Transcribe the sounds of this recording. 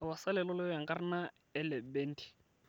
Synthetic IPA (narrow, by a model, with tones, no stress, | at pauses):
wa˨sa˦lɛ˨lɔ˦lɪ˦ja˨ŋkʼa˦rɪ˦na˦ | ɛ˨lɛ˨bɛ˦n̩˦ti̥˨